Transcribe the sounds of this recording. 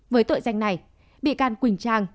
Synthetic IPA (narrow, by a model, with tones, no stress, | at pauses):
vəː˨˦jt̪o̰ː˧˨jza˧˩jŋ̟na˨˩j | ɓḭ˧˨kaː˧˩nkwï˨˩ŋ̟t͡ɕaː˧ŋ